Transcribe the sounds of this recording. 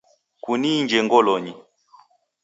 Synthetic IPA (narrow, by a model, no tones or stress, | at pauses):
kunind͡ʒɛŋɡɔlɔɲi